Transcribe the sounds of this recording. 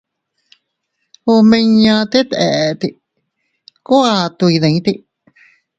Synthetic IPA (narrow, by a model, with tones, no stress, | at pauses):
o˧mẽ˧ɲã˧t̪e˦t̪e˨ʔt̪i˧ | ko˦a˧t̪u˧i˧ðẽ˨ĩ˦t̪i˧